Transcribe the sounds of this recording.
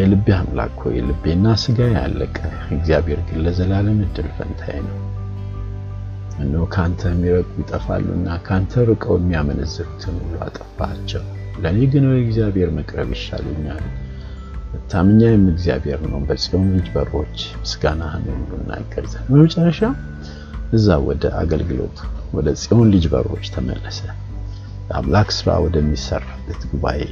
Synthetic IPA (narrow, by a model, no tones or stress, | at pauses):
jɛlɨbːehamla̰kʰho̰jɛ̰lɨbenːasɨɡaja̰lːə̰kʼə | ɨɡzijabhe̞ɾɡɨnlːəzəlaləmɨd̪ːɨlfə̰nt̪ʰa̰jnəw | ɨnːokʰant̪ʰəmːiɾəkʼujit̪ʼəfa̰lːṵɨ̰nːakʰant̪ʰəɾɨkʼəwjɛmːiamənəzːɨɾut̪ʰɨnhulua̰t̪ʼəfat͡ʃːɛw | ləneɡɨnoɛɡzijabhe̞ɾməkʼɾə̰βjɪʃːa̰lɛɲːal | ɨt̪ʰːamɨɲːajɛmːɨɡzija̰bhe̞ɾnəwbəsʼio̞nlɨd͡ʒbəɾo̞t͡ʃːmɨsɡanahnulːunːa̰ɡːəɾzənbəmət͡ʃʼərːəʃa | ʔɨzːawɔd̪əʔa̰ɡəlɡɨlo̞̰t̪ʰwɔd̪əsʼijo̞nlɨd͡ʒbə̰ɾo̞t͡ʃːt̪ʰəmə̰lːəsə | t̪ʼa̰mlaksɨɾa̰wɔd̪əmːisərːabːət̪ɡuβaʔe